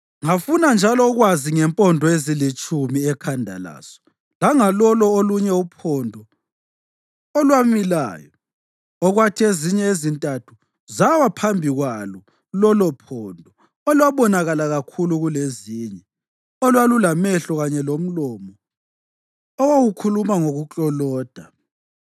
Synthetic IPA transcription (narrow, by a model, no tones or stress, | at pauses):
ŋafunand͡ʒʱalɔɣwaziŋɛmpʼɔndʱɔezilit͡ʃʼumiɛkʰandʱa̰la̰ːsɔ̥ | laŋalɔlɔoluɲɛupʰɔndʱɔ | ɔlwamila̰ːjɔ | ɔɣwatʰieziɲɛezintʼatʰu | zawapʰambʱiɣwalɔ | lɔlɔpʰɔndʱɔ | ɔlwaβɔnaɣalaɣakʰuluɣuleziːɲɛ | ɔlwalulamɛɬɔɣaɲɛlom̩lɔmɔ | ɔwaɣukʰulumaŋoɣut͡ɬʼɔlɔːd̥ʱa